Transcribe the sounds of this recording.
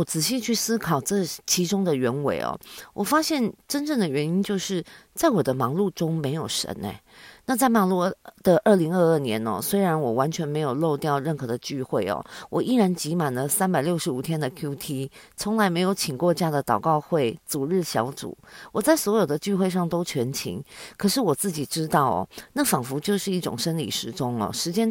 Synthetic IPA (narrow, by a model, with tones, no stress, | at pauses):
wɔ˨˩t͡sɹ̩˨˩ɕi˥˧t͡ɕʰy˥˩sɹ̩˥kʰɑ˨˩ʊʈ͡ʂɤ˥˩t͡ɕʰi˧˥ʈ͡ʂʊ˥ŋd̪ə˨ɥɛ˧˥nwḛ˨˩ɪɔ̰˨˩wʔɔ˨˩fa˥ɕjɛ˥˩nʈ͡ʂə˥nʈ͡ʂɤ˥˩ŋd̪ə˩ɥɛ˧˥ni˥nt͡ɕjo˥˧ʊʂɻ̩˥˩t͡sa˥˩ɪwɔ˨˩d̪ə˦mɑ˧˥ŋlu˥˩ʈ͡ʂʊ˥ŋme˧˥ɪjo˨˩ʊʂə̰˧˥nḛ˧ɪna˥˧t͡sa˥˩ɪmɑ˨˩lu˥˩d̪̥ə˨ʔə˥˩li˧˥ŋə˥˧ə˥˩njɛ̰˧˥nɐ̰˨˩swe˥ɪɻa˧˥nwɔ˨˩wa˧˥nt͡ɕʰɥɛ˧˥nme˧˥ɪjo˨˩lo˥˧ʊt̪jɑ˥˧ʊɻə˥˩nxɤ˧˥d̪ə˧t͡ɕy˥˧xwe˥˩ɪɐ̰˨˩wɔ˨˩ʔi˥ɻa˧˥nt͡ɕi˧˥ma˨˩nd̪ə˦sa˥npa˨ɪljo˥˩ʊʂɻ̩˧˥u˨˩t̪ʰjɛ˥nd̪ə˨kʰju˥t̪ʰi˥t͡sʰʊ˧˥ŋla˧˥ɪme˧˥ɪjo˧˥ʊt͡ɕʰi˨˩kwɔ˥˧t͡ɕja˥˩d̪ə˩t̪ɑ˨˩ʊkɑ˥˧ʊxwe˥˩ɪt͡su˨˩ɻɻ̩˥˩ɕjɑ̰˧˥ʊt͡sṵ˨˩˦wɔ˨˩t͡sa˥˩ɪswɔ˧˥jo˨˩ʊd̪ə˦t͡ɕy˥˧xwe˥˧ɪʂ̬ɑ˥˩ŋt̪o˥ʊt͡ɕʰɥɛ˧˥nt͡ɕʰḭ˧˥ŋkʰɤ˨˩ʂɻ̩˥˩wɔ˨˩t͡sɹ̩˥˩t͡ɕi˨˩ʈ͡ʂɻ̩˥t̪ɑ˥˩ʊɔ̰˩na˥˩fɑ˨˩ŋfu˧˥t͡ɕjo˥˧ʊʂɻ̩˥˧i˥˩ʈ͡ʂʊ̰˨˩ŋʂə˥nlḭ˨˩ʂɻ̩˧˥ʈ͡ʂʊ˥ŋə̰˨ʂɻ̩˧˥t͡ɕjɛ˥n